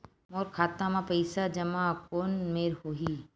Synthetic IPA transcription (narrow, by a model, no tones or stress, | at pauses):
moːɾkʰaːt̪amãpəɪsad͡ʒɐmakoːnmeːɾhoːɦiː